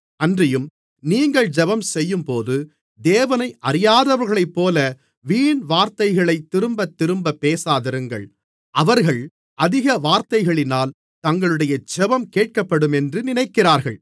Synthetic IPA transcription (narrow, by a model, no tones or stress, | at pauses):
ɐndrɪjɯm | niːŋɡɐɭd͡ʒɛbɐmsɛjːɯmpoːðɯ | d̪eːʋɐnɐɪʔɐɾɪjaːðɐʋɐɾɣɐɭɐɪpːoːlɐ | ʋiːɳʋaːɾt̪ɐɪɣɐɭɐɪt̪ːɪɾɯmbɐt̪ːɪɾɯmbɐpːeːsaːðɐɾɯŋɡɐ̰ɭ | ʔɐʋɐɾɣɐɭ | ʔɐðɪɣɐʋaːɾt̪ɐɪɣɐɭɪnaːl | t̪ɐŋɡɐɭɯɽɐjɐd͡ʒɛbɐmkeːʈ̚kɐpːɐɽɯmɛndrɯnɪnɐɪkːɪraːɾɣɐɭ